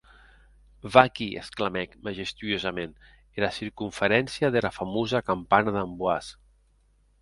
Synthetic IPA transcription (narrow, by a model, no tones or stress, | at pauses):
vakiʔḛsklamɛkmaʒest̪yozamen | elasiɾkuɱfeɾɛnsjaðelafamozakampanaðambwas